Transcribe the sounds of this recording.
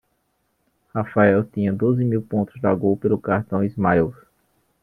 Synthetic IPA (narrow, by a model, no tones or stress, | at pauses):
hafaɛwt̪ĩɲɐ̃d̪ozɪmiwpõnt̪ʊzd̪aɡowpelʊkaɾt̪ɐ̃w̃izmaɛws